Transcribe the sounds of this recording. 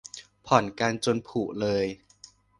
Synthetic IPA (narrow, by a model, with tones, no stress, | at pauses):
pʰɔ˨˩˦nka˧nt͡ɕo˧npʰuː˨˩ʔlɤː˧j